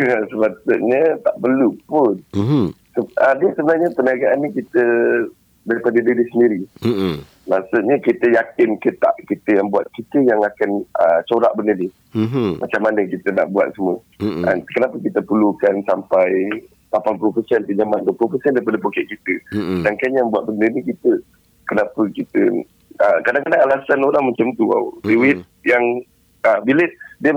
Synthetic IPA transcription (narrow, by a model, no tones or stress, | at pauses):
səmasʊʔɲət̪aʔpərlupʊn | səədiəsəbənarɲapəniaɡaʔanːikit̪ə | daɾipadədədisəndiɾi | masuʔɲəkit̪əjakɪnkət̪a̰ʔkit̪əjaŋbuat̪̚kit̪əjaŋakanət͡ʃoɾaʔbənədi | mat͡ʃamːanəkit̪əna̰ʔbua̰t̪̚səmuə | əkənapəkit̪əpulukansampaj | lapanpulopəsɛnpəd͡ʒamand̪plopəsɛndaɾipadəpokɛʔkit̪ədaŋkaɲjaŋbuat̪̚bəndənikit̪ə | kənapəkit̪ə̰ | əkadaŋkadaŋalasanoɾaŋməɲt͡ʃamt̪ua̰wdəwɪt̪̚jaŋ | əbilədiə